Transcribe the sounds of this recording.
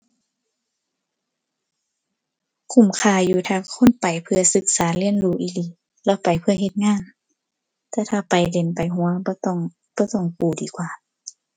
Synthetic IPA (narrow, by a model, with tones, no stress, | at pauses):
kʰu˧˩˨mkʰaː˧˩juː˧˦t̪ʰaː˧kʰo˧˥˨npa˨jpʰɯ˧ɐsɯ˧˦k̚saː˨˦lɯ˧˥˨ənluː˧˩ʔiː˧˩li˧˦ | lɛː˧˥˨wpa˨jpʰɯ˧ɐ˨ɦe˧t̪̚ŋaː˧˥˨n | t̪ɛː˧˩t̪ʰaː˧pa˨jde˨npa˨jɦu˧˨˦ɐbɔː˧˦t̪ɔ˧˥˨ŋ | b̥ɔː˧˦t̪ɔ˧˩˨ŋkuː˧˩diː˨kwaː˧